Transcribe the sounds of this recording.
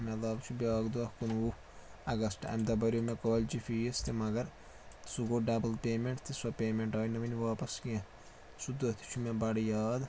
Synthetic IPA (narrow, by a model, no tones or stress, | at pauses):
melɐːbt͡ʃʰubʲaɡd̪uɐhkunu | ɐɡɐsʈɐ̰md̪ɐbɐɾʲomẽkoːlʲd͡ʒifʰist̪imɐɡɐɾ | suɡoɖɐbɐlpʲeːmeɳʈt̪isɐpʲeːmeɳʈaːnɐʋɐnʲʋaːpɐskiẽ | sud̪ɐt̪ʰi̥t͡ʃʰumẽbɐɽjaːd̪